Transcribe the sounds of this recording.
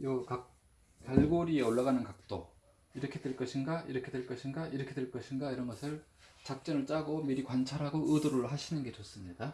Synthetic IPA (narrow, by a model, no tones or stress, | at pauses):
jʌkak̚ | kaɭɡoɾie̞oɭːaɣanɯnkak̚t͈o | iɾʌkʰe̞dwe̞ɭk͈ʌɕʰinɡaʔiɾʌkʰe̞dweɭk͈ʌɕʰinɡaʔiɾʌkʰe̞dwe̞ɭk͈ʌɕʰinɡaiɾʌnɡʌsʰɯɭ | t͡ɕak̚t͡ɕ͈ʌnɯɭt͡ɕ͈aɡomiɾikwant͡ɕʰaɾɦaɡoɯdoɾɯɭɦaɕʰinɯnɡe̞t͡ɕʌs͈ɯmɲida